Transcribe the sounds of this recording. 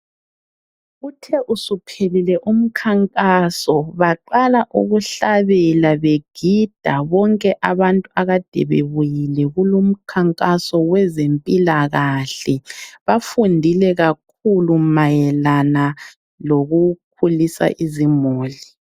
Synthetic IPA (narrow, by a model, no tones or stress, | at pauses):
utʰɛʔusupʰelilɛʔum̩kʰaŋkʼasɔβaǃalaʔṵɣuɬaβɛlaβeɡ̥ʱid̥ʱaβɔŋkʼɛʔaβantʼuaɣad̥ʱḛβḛβujilɛɣulum̩kʰaŋkʼasɔwɛzempʼilaɣaɬɛβafundʱilɛɣak̚ʰulumajɛlana | loɣuk̚ʰulisa̰ʔizimoːli